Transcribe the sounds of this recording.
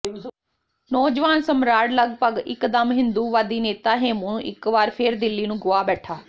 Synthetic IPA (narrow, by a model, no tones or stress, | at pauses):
nɔːd͡ʒʋaːnsəmɾaːɽləɡpəɡɪ̰kd̪əmɦɪ̃nd̪uːʋaːd̪iːneːt̪aːɦeːmũːʔɪ̰kʋaːɾpʰɪɾd̪ɪlːiːnũːɡʊaːbɛːʈʰaː